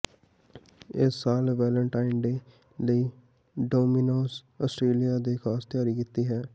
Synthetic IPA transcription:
ɪsːaːlʋɛːləɳʈaːɪnɖeː | ləiː | ɖoːminoːs | ɔːsʈɾeːlijaːd̪eːkʰaːst̪ɪjaːɾiːkiːt̪iːɦɛː

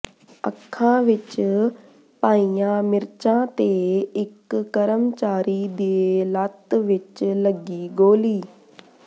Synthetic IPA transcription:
ə̰kʰːãːʋɪt͡ʃ | paːiːãːmɪɾt͡ʃãːt̪eːɪkːəɾəmt͡ʃaːɾiːd̪eːlət̪ʋɪt͡ʃləɡiːɡoːliː

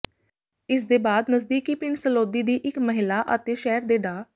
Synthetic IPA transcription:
ɪsd̪eːbaːd̪nəsd̪iːkiːpɪɳsəloːd̪iːd̪iːʔɪkməɦɪlaːʔət̪eːʃɛːɾd̪eːɖaː

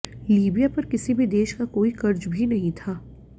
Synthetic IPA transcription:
liːbijapɐɾkɪsibʱid̪eːʃkakoːikɐɾd͡ʒbʱinɐɦĩt̪ʰaː

